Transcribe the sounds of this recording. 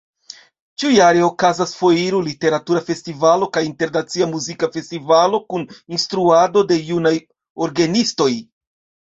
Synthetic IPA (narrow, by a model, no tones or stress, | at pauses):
t͡ʃiujaɾeo̞kazasfo̞jiɾulite̞ɾatuɾafe̞stivalo̞kajinte̞ɾnat͡siamuzikafe̞stivalo̞kuninstɾuado̞de̞junaj | oɾɡenisto̞j